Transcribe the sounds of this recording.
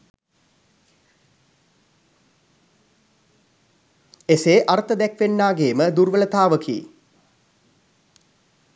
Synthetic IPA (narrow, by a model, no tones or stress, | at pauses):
eseːʔaɾt̪əd̪ɛkʋenːaːɡeːməd̪uɾʋələt̪aːʋəkʰḭː